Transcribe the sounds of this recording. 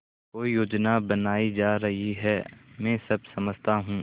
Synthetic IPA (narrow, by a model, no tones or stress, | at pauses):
koːijoːd͡ʒnabɐnaːid͡ʒaːɾɐɦiɦɛːmɛ̃ːsɐb̚sɐməd͡ʒt̪aɦũː